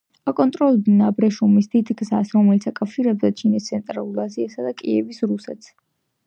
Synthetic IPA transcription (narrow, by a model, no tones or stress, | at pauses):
akʼɔnt̪ʼɾɔlˠɛbnabɾɛʃumisd̪id̪ɡzasɾɔmɛlit̪sʰakʼafʃiɾɛbzat͡ʃʰinist̪sʰɛnt̪ʼɾalˠulˠaziasad̪akʼiɛvisɾusɛt̪s